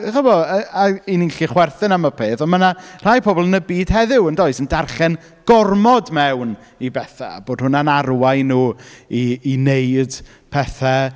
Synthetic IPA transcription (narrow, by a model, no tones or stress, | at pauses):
χɔbɔəaininɬiχwɛrθɨnamapʰeːθɔnmənar̥ajpʰɔbɔlˠənəbiːd̥hɛðɪwəndoːɨsəndarχɛn | ɡ̥ɔrmɔdmɛwn | ibɛθa̰a̰boːd̥̚hʊnanarwajnuːiːnejd | pʰɛθɛ